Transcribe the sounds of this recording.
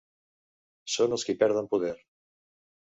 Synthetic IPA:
sonelˠskipɛɾð̞ampuð̞eɾ

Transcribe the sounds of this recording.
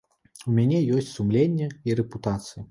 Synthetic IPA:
umʲanʲɛjɔsʲt͡sʲsumlʲenʲːɛiɾɛput̪at̪sɨji

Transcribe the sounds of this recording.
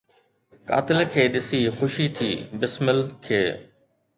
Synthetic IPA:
ka̰ːt̪ɪlkʰeːɗɪsixʊʃit̪ʰiːbɪsmɪlkʰeː

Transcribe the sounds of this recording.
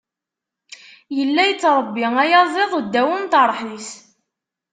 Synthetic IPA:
jəlːæjət͡sːɾˤəbːiæjɑzˤeðˤud̪ːæwənt̪əɾˤːħis

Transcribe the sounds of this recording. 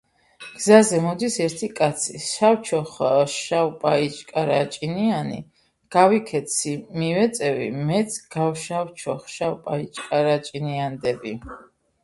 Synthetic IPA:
ɡ̥zazɛmɔd̪isɛɾt̪ʰikʼat̪sʰiʃawt͡ʃʰɔχʃawpʼait͡ʃʼkʼaɾat͡ʃʼinianḭ | ɡ̥avikʰɛt̪sʰimivɛt̪sʼɛvḭmɛt̪sʼɡ̥awʃawt͡ʃʰɔχʃawpʼait͡ʃʼkʼaɾat͡ʃʼiniand̪ɛbi

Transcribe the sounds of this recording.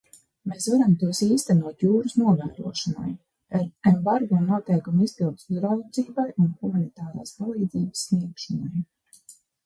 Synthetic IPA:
meːsvaɾamt̪uɔsiːst̪ænuɔt̪juːɾusnuɔvæ̰ːɾṵɔʃana̰j | aɾɛmbaɾɡɔnuɔt̪ɛjkumizpilˠt̪suzɾawd̪ziːbajunxumanit̪aːɾa̰ːspalˠiːd̪ziːbəsːniɛkʃɔnaj

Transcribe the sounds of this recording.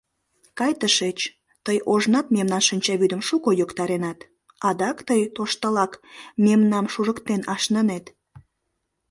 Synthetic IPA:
kɑjt̪əʃet͡ɕ | t̪əjoʒnɑt̪memnɑnʃənʲt͡ɕɑβyd̪əmʃukojokt̪ɑɾenɑt̪ | ɑd̪ɑkt̪əjt̪oʃt̪əlɑkmemnɑmʃuʒəkt̪enɑʃnənet̪

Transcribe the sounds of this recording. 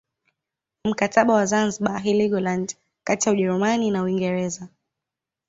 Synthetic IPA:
m̩kataɓawazanziɓaɦiliɡɔland | katijauʄɛɾumaninauiŋɡɛɾɛza

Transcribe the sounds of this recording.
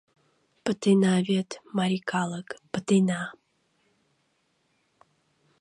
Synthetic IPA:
pɨt̪ʰɨnavʲet̪ʰmaɾʲikʰalˠəkpɨt̪ʰɨna

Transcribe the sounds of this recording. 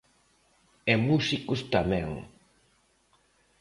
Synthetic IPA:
ɛmusikʊst̪amɛ̃ŋ

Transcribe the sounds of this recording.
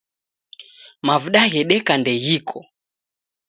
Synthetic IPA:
mavuɗaɣɛɗɛkandɛɣikʰɔ

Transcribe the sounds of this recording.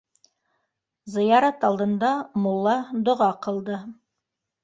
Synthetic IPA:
zɤ̆jɑɾɑt̪ɑlˠd̪ɤ̆nd̪ɑmolˠːɑd̪ŏʁɑqɤ̆lˠd̪ɤ

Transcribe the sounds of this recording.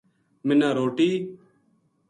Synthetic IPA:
mɪnãːɾoːʈiː

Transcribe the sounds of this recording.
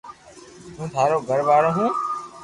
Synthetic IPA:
t̪ũːt̪ʰaːɾoːɡʱəɾʋaːɽõːɦũː

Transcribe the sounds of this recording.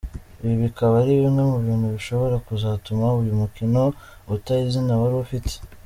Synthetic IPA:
βiβikaβaɾiβimŋemuβiːnhuβiʃo̞βo̞ɾakuzaːtumaujumukino̞ | utaizinaβaɾiufitʰe̥

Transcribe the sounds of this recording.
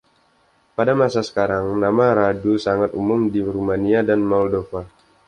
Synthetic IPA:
padamasasə̥kaɾaŋnamaɾadusaŋat̪umʊmdiɾumaniadanmɔldofa

